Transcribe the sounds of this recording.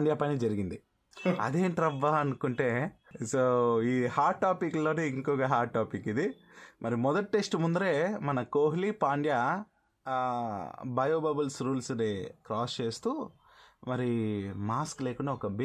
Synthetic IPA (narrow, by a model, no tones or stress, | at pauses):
ɳɖjaːpɐnid͡ʒɐɾiɡind̪i | ɐ̰d̪e̞ːɳʈɾɐʋːaːɐnukuɳʈe̞ː | soːiːhaːʈ̚ʈːaːpiklo̞ːneiŋkɔːɡaɦaːʈ̚ʈːaːpikːid̪i | mʔɐɾimɔd̪ɐʈ̚ʈesʈmund̪uɾe̞ːmɐnɐkoːɦlipaːɳɖjaː | bɐjoːbɐbɐlsɾuːlsnekɾaːst͡ʃe̞ːst̪uː | mɐɾimaːskle̞ːkuɳɖaːɔkɐb